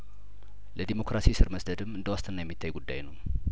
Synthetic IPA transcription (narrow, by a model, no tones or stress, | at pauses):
ləd̪imo̞kɾasisɨɾməsd̪əd̪ɨmːɨnd̪əwast̪ʰɨnːajɛmːit̪ʰːajɡud̪ːa̰jnəw